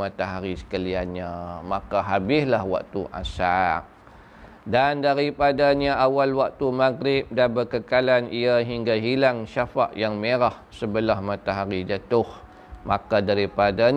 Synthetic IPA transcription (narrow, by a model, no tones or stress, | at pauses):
at̪aɦaɾisə̥kalianɲamakaɦabɪslahwa̰k̚t̪uʔa̰sak̚ | dandaɾipadaɲaʔawalwak̚t̪umaɡɾɪp̚danbəkəkalaniaɦiŋɡaɦilaŋʃafa̰ʔjaŋmeɾahsəbəlahmat̪aɦaɾid͡ʒət̪ʊh | makadaɾipada